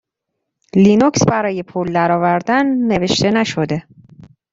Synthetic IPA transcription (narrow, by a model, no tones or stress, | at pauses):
linuksbæɾɒːje̞pʰuld̪æɾɒːvæɾd̪ænːe̞ve̞ʃt̪e̞næʃo̞d̪e̞